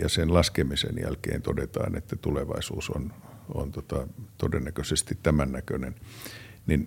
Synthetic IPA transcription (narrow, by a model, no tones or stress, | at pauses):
jɑsenlɑskemisḛnjæ̰lkḛːnt̪odet̪ɑ̰ːnḛt̪ːæt̪uleʋɑ̰isuːson | o̰nt̪ot̪ɑt̪odenːækøsest̪it̪t̪æmænːækønennin